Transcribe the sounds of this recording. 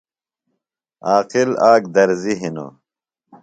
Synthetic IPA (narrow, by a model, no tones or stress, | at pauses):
aːqilaːkd̪ɐɾziɦino̰